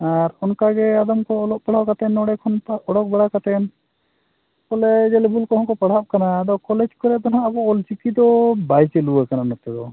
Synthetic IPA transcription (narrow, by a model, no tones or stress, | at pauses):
aɾɔnkaɡɛad̪ɔmkɔlɔk̚paɽ̤awkat̪ɛnɔɽɛkʰɔnpɔɽɔk̚bɛɽakat̪ɛn | kɔlɛd͡ʒɛlɛbʱulkɔɦɔ̃kɔpaɽ̤ap̚kanad̪ɔkɔlɛd͡ʒkɔɾɛd̪ɔnabɔɔlt͡ʃikid̪ɔbajt͡ʃɛluakananɔt̪ɛd̪ɔ